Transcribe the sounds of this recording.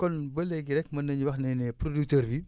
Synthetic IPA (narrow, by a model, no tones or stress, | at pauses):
kɔnbɐlɛɡiɾɛkmɐnːɐɲiwɐxnɛnɛpɾoduk̚təːɾbi